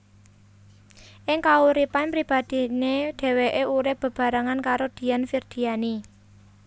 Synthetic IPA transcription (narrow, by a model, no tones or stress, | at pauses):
ʔɪŋkauɾipanpɾib̥a̤d̪̥i̤neɖ̥e̤weʔeuɾɪhb̥ə̤b̥a̤ɾaŋankaɾod̪̥i̤janfird̪̥i̤ani